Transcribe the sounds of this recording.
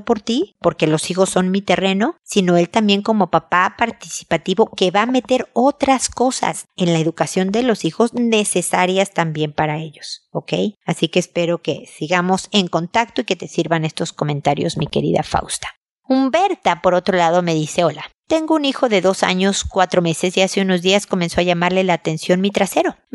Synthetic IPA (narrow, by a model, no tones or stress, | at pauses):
po̞ɾt̪ipo̞ɾke̞lo̞sixo̞sːo̞nmit̪e̞re̞no̞sino̞e̞lt̪ambje̞ŋko̞mo̞papapaɾt̪i̥si̥pat̪iβo̞ke̞βaːme̞t̪e̞ɾo̞t̪ɾasko̞sa̰se̞nlae̞ðukasjo̞nd̪e̞lo̞sixo̞zne̞se̞saɾjast̪ambje̞mpaɾae̞ʝo̞soke̞̰jasikeːspe̞ɾo̞ke̞siɣamo̞se̞ŋko̞nt̪ak̚t̪oike̞t̪e̞siɾβane̞st̪o̞sko̞mẽ̞nt̪aɾjo̞̰zmike̞̰ɾḭða̰fa̰wst̪ḁ | umbe̞ɾt̪apo̞ɾo̞t̪ɾolað̞o̞me̞ðise̞o̞lat̪e̞ŋɡo̞unixo̞ðe̞ðo̞sa̰ɲo̞skwat̪ɾo̞me̞se̞siaseuno̞zðiasko̞menso̞aʝamaɾle̞laːt̪e̞nsjo̞nmit̪ɾase̞ɾo̞